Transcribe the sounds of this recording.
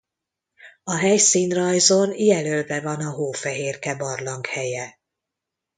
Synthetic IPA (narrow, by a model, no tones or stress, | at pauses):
ɒɦɛjsiːnrɒjzo̞njɛlølvɛvɒnɒɦoːfɛɦeːrkɛbɒrlɒŋkhɛjɛ